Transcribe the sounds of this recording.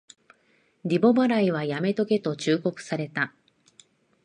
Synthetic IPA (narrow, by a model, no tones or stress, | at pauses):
ɾʲibo̞baɾaiβ̞ajame̞t̪o̞ke̞t̪o̞t͡ɕɨːko̞kɯ̟̥saɾe̞t̪a